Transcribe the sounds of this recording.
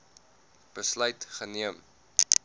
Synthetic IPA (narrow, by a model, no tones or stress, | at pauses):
b̥əslœɥtχəniəm